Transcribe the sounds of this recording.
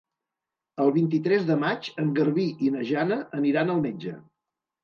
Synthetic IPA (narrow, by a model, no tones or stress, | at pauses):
əlˠβint̪̬it̪ɾɛzðəmat͡ʃəŋɡəɾβiʔinəʒanəʔəniɾanəlˠmed͡ʒə̰